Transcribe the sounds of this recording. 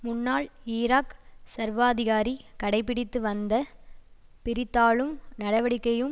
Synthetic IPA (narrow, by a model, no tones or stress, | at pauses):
mʊnːaːliːɾaːksɐɾʋaːðɪɣaːɾikɐɽɐɪp̬ːɪɽɪt̪ːɯʋɐnd̪ɐ | pɪɾɪt̪ːaːɭɯmnɐɽɐʋɐɽɪkːɐjɯm